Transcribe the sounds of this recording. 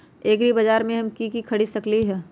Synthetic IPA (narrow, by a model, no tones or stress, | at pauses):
eːkɾibɐd͡ʒaːɾmẽɦɐmkikikʰɐɽisɐkliɦɛː